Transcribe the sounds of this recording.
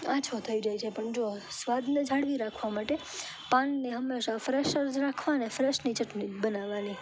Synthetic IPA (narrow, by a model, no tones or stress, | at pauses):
at͡ʃʰot̪ʰəid͡ʒəɦet͡ʃʰepəɳd͡ʒosʋad̪ned͡ʒʱaɽʋiɾakʰʋamaʈe | pãnːeɦəmːeʃafɾeʃəɾd͡ʒɾakʰʋanefɾeʃnit͡ʃəʈnibənaʋani